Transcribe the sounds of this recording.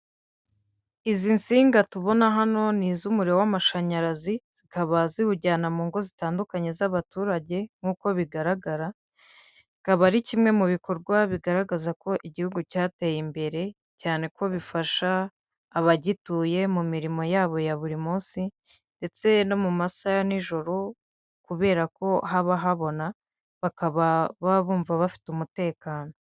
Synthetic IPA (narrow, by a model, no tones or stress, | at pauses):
izinsiːŋɡatuβo̞naɦano̞niːzumuɾiɾo̞wamaʃaɲaɾaziz̥ikaβazihuɟaːnamuːŋɡo̞zitaːndukaɲe̞zaβatuːɾaɟe̞ŋ̥uːko̞βiɡaɾaɡaɾa | ikaβaɾicimŋe̞muβiko̞ɾɡwaβiɡaɾaɡazako̞ʔiɟihuɡucaːtejimbe̞ɾe̞ | caːne̞ko̞βifaʃaː | βaɟituːje̞mumiɾimo̞jaːβo̞jaβuɾimuːsi | nde̞t͡se̞no̞mumasajaniʒo̞ɾo̞ | kuβe̞ːɾako̞haβaɦaβo̞na | βakaβaβaβuːɱvaβafi̥tumute̞ːkaːno̞